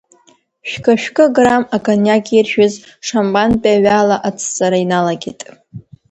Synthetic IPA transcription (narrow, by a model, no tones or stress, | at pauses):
ʃᶣkʼaʃᶣkʼɨɡramakʼanjaɡʲirʃᶣʊz | ʂambʼanpʼaɥaːlaʔat͡sʰt͡sʼaɾainalaɡʲɪtʼ